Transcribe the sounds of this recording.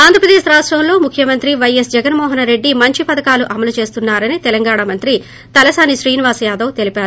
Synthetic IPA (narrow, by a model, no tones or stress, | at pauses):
aːnd̪ɾɐpɾɐd̪eːʃɾaːʂʈɾɐmlo̞ːmukʰjɐmɐnt̪ɾiʋɐjesd͡ʒɛɡɐnmɔːɦɐnɾe̞ɖːimɐɲt͡ʃipɐd̪ɐkaːluʔɐmɐlut͡ʃe̞ːst̪unːaːɾɐnit̪ɛlɐŋɡaːɳɐmɐnt̪ɾi | t̪ɐlɐsaːniʃɾiːniʋaːsɐjaːd̪ɐwt̪e̞lipaːɾuu